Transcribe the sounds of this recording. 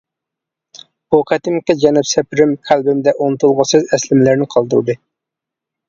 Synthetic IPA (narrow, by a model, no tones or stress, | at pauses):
buqʰæt̪ɪmkʲɪd͡ʒɛnupsɛpʰɪɾɪmkʲʰælbɪmd̪ɛʔonɨt̪ʰulˠʁɑsɨzɛslɪmlæɾnɪqʰɑlˠd̪ɨɾɨd̪ɨ